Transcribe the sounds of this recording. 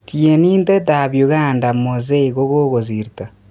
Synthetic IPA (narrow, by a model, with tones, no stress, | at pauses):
tje˨niː˦nte˦ta˨βjo˨ɣa˦nda˨mo˨ze˦i˨ɣo˦ɣo˦ɣo˨zi˨ɾita˨